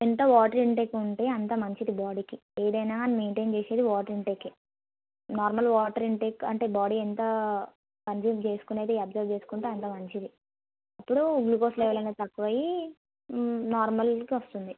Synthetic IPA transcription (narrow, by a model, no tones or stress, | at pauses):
ent̪ɐʋaːʈɐɾiɳʈeːkuɳʈeːɐnt̪ɐmɐɲt͡ʃid̪ibaːɽiːki | eːd̪ɐjnaːnmeːɳʈeŋt͡ʃeːse̞ːd̪iʋaːʈɐɾiɳʈeːkːi | naːɾmɐlʋaːʈɐɾiɳʈeːkːɐ̰ɳʈeːbaːɖiɛnt̪ɐ | kɐnd͡ʒuːmt͡ʃe̞ːsu̥kuneːt̪eɐbzɐɾt͡ʃe̞ːsu̥kuɳʈeːɐnt̪̬ɐmɐɲt͡ʃid̪i | ɐpːuɽuɡluːkoːsleːʋɐlɐnɐt̪ɐkːuʋɐji | naːɾmɐlkiʋɐst̪und̪i